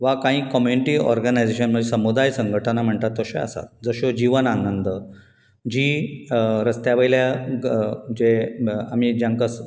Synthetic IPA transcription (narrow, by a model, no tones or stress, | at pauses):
ʋakãɦĩːkɔmjuniʈiːɔ̰ɾɡənajd͡zeɕənməd͡zesəmud̪ajsəŋɡʱəʈʰənam̤əɳt̪at̪ːəɕoa̰sa̰t̪̚d͡zəɕod͡ʑiʋənanənd̪ə | d͡ʑiː | ɾəst̪jaʋəjlja | d͡ʑeam̤id͡ʑjãŋkas